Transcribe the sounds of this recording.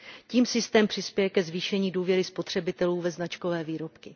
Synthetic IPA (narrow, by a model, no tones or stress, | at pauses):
ciːmsɪst̪ɛːmpr̥ɪspjɛjɛkɛzviːʃɛɲiːduːvjɛɾɪspo̞t̪r̥ɛbɪt̪ɛluːvɛznat͡ʃkovɛːviːɾo̞pkɪ